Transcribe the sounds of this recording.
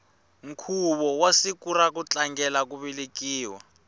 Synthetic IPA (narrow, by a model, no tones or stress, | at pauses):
ŋ̩kʰuβɔwasikuɾak̬ut͡ɬaŋɡɛlakuβilikiːwa